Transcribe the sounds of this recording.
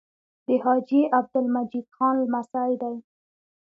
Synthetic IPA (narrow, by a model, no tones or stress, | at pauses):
d̪əhɑd͡ʒjeʔab̚d̪ʊlmad͡ʒid̪xɑnlmasajd̪aj